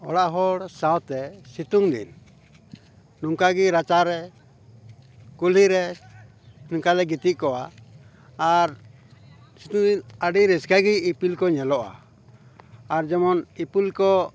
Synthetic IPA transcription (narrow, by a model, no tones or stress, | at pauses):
ɔ̰ɽaʔɦɔɽsãwt̪ɛsit̪uŋd̪ḭn | nuŋkaɡiɾat͡ʃaɾɛ | kul̤iɾɛ | nuŋkalɛɡit̪iʔ̚kɔaː | ɾ | sit̪uŋd̪inaɖiɾɛskaɡiipilkɔɲɛlɔʔa̰ | ɾd͡ʒɛmɔnipilkɔ